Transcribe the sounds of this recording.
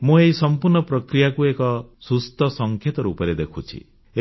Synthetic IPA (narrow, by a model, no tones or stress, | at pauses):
mũeisɔmpuɾnɔpɾɔkɾijakuekɔsust̪ɔsɔŋkʰjet̪ɔɾupɔɾed̪ekʰut͡ʃʰḭ